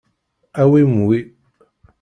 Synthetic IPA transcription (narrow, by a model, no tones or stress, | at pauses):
awemuwe